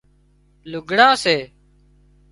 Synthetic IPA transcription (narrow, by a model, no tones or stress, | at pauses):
lʊɡʱɽãːseː